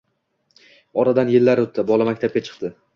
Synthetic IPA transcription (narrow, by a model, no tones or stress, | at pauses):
ɒɾad̪anjɪlːaɾot̪ʰːɪbɒlˠamakʲt̪ʰap̚kʲat͡ʃʰɨ̥qt̪ɪ